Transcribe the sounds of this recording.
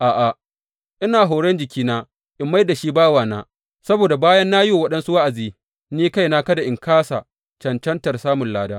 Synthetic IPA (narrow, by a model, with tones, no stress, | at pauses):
ʔaː˨ʔa˨ | ʔɪ˦naː˨ɦoː˨ɽɛ˦nd͡ʒɪ˨kʲiː˦naː˦ | ʔɪ˨mːa˦jda˨ʃiː˦baː˦waː˨naː˦ | sɐ˦boː˨da˨baː˦jɐ˦nːaː˦joː˦˨wɐ˦ɗɐ˦nsu˦wa˦ʔa˨ziː˦ | niː˦ka˦jnaː˦kɐ˦da˨ʔɪ˨ŋkʰaː˦sa˨ | t͡ʃɐ˨nt͡ʃɐ˦ntɐ˨rsaː˦mʊ˨nlaː˨daː˦